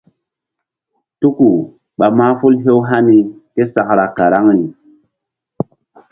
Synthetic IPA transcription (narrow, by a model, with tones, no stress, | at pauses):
tu˦ku˨ | ɓa˨ma˦fu˦lɦe˦wɦa˦ni˨ke˦sa˨kɾa˨ka˨ɾa˦ŋni˨